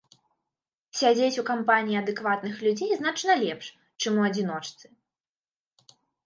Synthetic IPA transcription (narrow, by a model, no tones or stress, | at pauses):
sʲad͡zʲet͡sʲukampanʲijːɐd̪ɨkvat̪nɨxlʲud͡zʲejznat͡ʂnɐlʲɛpʂ | t͡ʂɨmuɐd͡zʲin̪ɔt͡ʂt̪sɨ̥